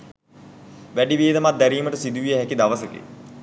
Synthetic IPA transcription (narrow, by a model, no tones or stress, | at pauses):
ʋæɖiʋiːd̪əmat̪̚d̪æɾiːməʈəsid̪uʋijəɦækid̪aʋəsəkḭ